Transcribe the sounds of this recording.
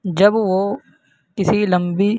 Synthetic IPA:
d͡ʒɐbʋoː | kɪsilɐ̃mbi

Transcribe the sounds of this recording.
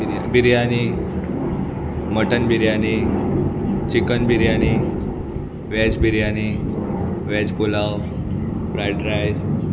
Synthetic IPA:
ja̰biɾjani | məʈənbʱiɾjani | t͡ɕikənbʱiɾjani | ʋɛd͡ʑbʱiɾjani | ʋɛd͡ʑpulaw | fɾajɖɾajs

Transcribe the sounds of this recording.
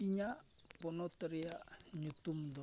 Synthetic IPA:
iɲaponot̪əɾijaɲut̪umd̪o

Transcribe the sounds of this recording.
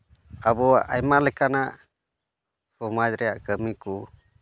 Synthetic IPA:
abɔaʔajmalɛkanaʔ | pɔmad͡ʒɾɛjaʔkəmiku

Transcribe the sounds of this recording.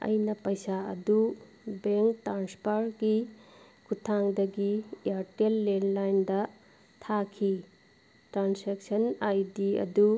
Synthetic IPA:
ɐ̰jnɐpɐjsaɐ̰du | beŋktɾanspʰaɾɡi | kʰutʰaŋdɐɡiaɾtelːenlajndɐ | tʰakʰi | tɾansek̚sɐnajdiɐ̰du

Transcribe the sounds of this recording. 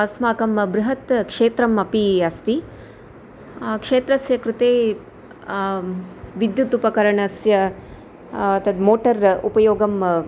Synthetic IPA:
ɐsmaːkɐmbɾuɦɐt̪kʂeːt̪ɾɐmɐpiɐst̪i | kʂeːt̪ɾɐsjɐkɾut̪eː | ʋid̪jut̪upɐkɐɾɐɳɐsjɐ | ɐt̪ɐd̪moːʈɐɾupɐjoːɡɐm

